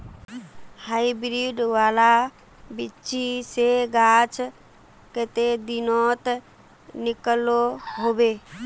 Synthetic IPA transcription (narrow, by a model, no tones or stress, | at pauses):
haibɾiɖʋala | bɪt͡ʃiseɡat͡ʃ | kət̪ed̪inɔt̪ | nɪkəloɦobe